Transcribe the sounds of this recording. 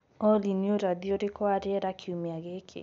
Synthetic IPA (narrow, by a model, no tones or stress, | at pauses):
ɔlinjoɾad̪ioɾɪkwaɾɪɛɾakʰjumiaɡekʰḛ